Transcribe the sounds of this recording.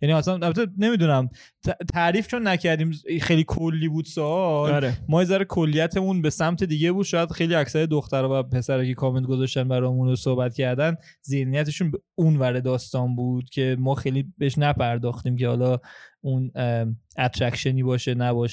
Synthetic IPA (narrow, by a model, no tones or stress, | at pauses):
jæniæsænælbæt̪ʰene̞mid̪unæm | t̪ʰt̪ʰæʔɾiːft͡ʃʰo̞nːæcʰæɾd̪iːmxejlikʰolːiːbuːd̪̥sɒɒlemɒːjezæɾekʰolːijæt̪ʰemunbe̞sæmt̪ʰe̞d̪iːɟe̞buːd̪̥ʃɒːjæd̪̥xejliːæcsæɾed̪oxt̪æɾɒːvæpʰe̞sæɾɒcʰe̞kʰɒːment̪̚ɡozɒʃt̪ænbæɾɒːjmunosohbæt̪cʰæɾd̪æn | ze̞hnijæt̪ʰe̞ʃunbeunvæɾed̪ɒːst̪ɒːnbuːd̪̥cʰe̞mɒːxejliːbeeʃnæpʰæɾd̪ɒːxt̪iːmcʰe̞hɒ̰lɒun | æt̪ʰɾæcʃeniːbɒːʃenæbɒʃ